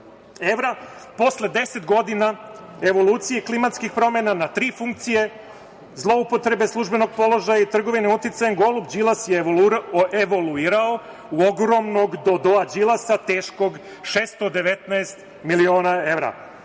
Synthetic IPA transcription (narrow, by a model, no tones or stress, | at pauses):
eʋɾapo̞sle̞d̪e̞set̪ɡo̞d̪ina | e̞ʋo̞lˠuːt̪sijeklimat̪skixpɾo̞menanat̪ɾiːfuŋkt̪sije̞ | zlˠo̞upo̞t̪ɾe̞be̞slˠuʒbe̞no̞ɡ̚po̞lˠo̞ʒajait̪r̩ɡo̞ʋineut̪it̪sajeŋɡo̞lubd͡ʒilˠasje | eʋoluiːɾao | uoɡɾo̞mno̞ɡd̪o̞d̪oad͡ʒilˠasat̪eːʃko̞ɡ | ʃeːst̪od̪e̞ʋet̪naest̪ | milio̞ːnae̞ʋɾa̰